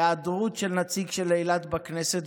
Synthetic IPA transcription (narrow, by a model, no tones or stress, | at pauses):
ad̪ʁut̪ʃelnat͡siɡʃelejlat̪bakneset̪